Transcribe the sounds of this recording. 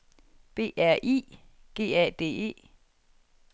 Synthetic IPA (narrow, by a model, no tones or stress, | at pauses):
b̥e̝̰ːʔæɐ̰ʔḭː | ɡ̥e̝̰ːɛd̥e̝̰ːe̝̰ː